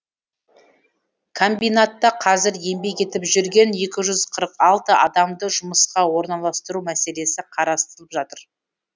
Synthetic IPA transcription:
kʰo̞mbijnat̪ːɑqʰɑzɪɾje̞mbe̞ke̞t̪ɪpʒʏɾɡʲe̞ne̞kʲɪʒʏzqʰəɾəqɑlˠt̪əʔɑd̪ɑmd̪əʒʊməsqɑwo̞ɾnɑlˠɑst̪əɾumæse̞le̞sɪqʰɑɾɑst̪əɾəlˠəpʒɑt̪əɾ

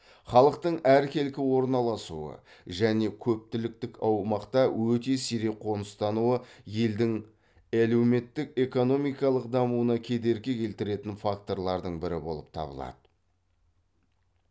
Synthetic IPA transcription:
χɑlˠəqt̪əɴæɾkʲʰe̞lkʲɪwo̞ɾnɑlˠɑsṵə̰ʒæne̞kʲʰɵp̚t̪ɪlɪk̚t̪ɪkɑwmɑqt̪ɑwɵt̪e̞siɾeqʰo̞nəst̪ɑnuwəje̞ld̪ɪŋ | ælewme̞t̪ːɪk̚e̞ko̞no̞mijkɑlˠəqd̪ɑmuənɑkʲʰe̞d̪e̞ɾkʲe̞kʲʰe̞lt̪ɪɾe̞t̪ɪnfakt̪o̞ɾlˠɑɾd̪əɴbɪɾɪbo̞lˠəp̚t̪ʰɑ̰bə̰lˠɑ̰d̪̥ə

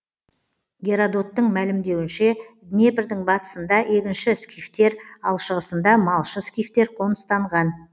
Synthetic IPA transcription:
ɡʲe̞ɾad̪o̞t̪ːəɴmælɪmd̪e̞wɪnʃe̞d̪ne̞pɪɾd̪ɪɴbɑt̪ə̥sənd̪ɑʔe̞kʲɪnʃɪskʲijft̪e̞ɾɑlˠʃəʁəsənd̪ɑmɑlˠʃəskʲijft̪e̞ɾqʰo̞nəst̪ɑɴʁɑn

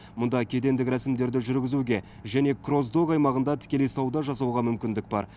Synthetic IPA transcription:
mʊnd̪ɑkʲʰe̞d̪e̞nd̪ɪkɾæsɪmd̪e̞ɾd̪ɪʒʏɾɡʲɪzuɡʲe̞ | ʒæne̞kʰro̞zd̪okɑjmɑʁənd̪ɑt̪ʰɪ̥kʲe̞lejsɑwd̪ɑʒɑsɑwʁɑmʏmkʲɪnd̪ɪk̚bɑ̰ɾ

